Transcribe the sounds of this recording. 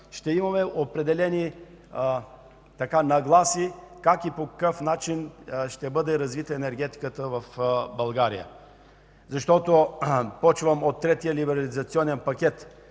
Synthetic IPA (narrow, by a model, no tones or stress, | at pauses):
ʃt̪ɛimɐmɛʔopɾɛd̪ɛlɛni | t̪ɐkanɐɡlˠasikakipokɐ̥kɤfnat͡ʃinʃt̪ɛbɤd̪ɛɾɐzvit̪əɛnɛɾɡ̟ʲɛt̪i̥kət̪əvɐfbɐlˠɡaɾḭjə̰ | zɐʃt̪ɔt̪opɔt͡ʃvəmot̪ːɾɛt̪ijəlibɛɾɐlizɐt̪siɔnɛnpɐkʲɛt̪